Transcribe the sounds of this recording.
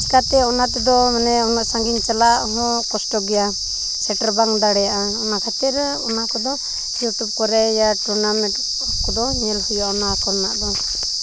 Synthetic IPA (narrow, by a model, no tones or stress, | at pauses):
skat̪ɛɔnat̪ɛd̪ɔmanɛɔnaʔsaŋɡiɲt͡ʃɛlaʔɦɔ̃kɔsʈɔɡɛja | sɛʈaɾbaŋd̪aɽɛjaʔa | ɔnakʰat̪iɾ | ɔnakɔd̪ɔ | juʈub̚kɔɾɛjaʈuɾnamɛ̃ʈ | ɔkɔd̪ɔɲɛlhɔjaɔnakɔɾnaʔd̪ɔ